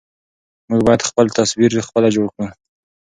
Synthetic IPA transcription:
muɡbɑjad̪xpəlt̪ʰaswiɾd̪əxpəlad͡ʒoɽkɽə

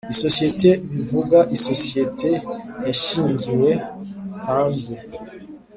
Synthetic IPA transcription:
iso̞sije̞teβivuɡaʔisosijetejaʃiːɲɟiwehaːnze

